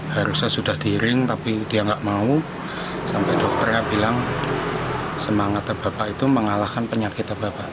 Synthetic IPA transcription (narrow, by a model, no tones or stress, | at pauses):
haɾusasudahd̥iɾɪŋt̪apidiaŋɡaʔmau | sampɛdɔk̚t̪ərjabilaŋ | səmaŋat̪ab̥apaʔit̪uməŋalahkanpəɲakɪt̪abapaʔ